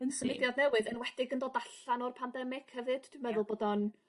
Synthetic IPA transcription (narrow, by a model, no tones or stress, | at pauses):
ənsəmɪdjadnɛwɨðənwɛd̥ɪɡəndodaɬanɔrpʰandɛmɪɡ̥həvɨd̥tʰwmɛðʊlˠboːdɔn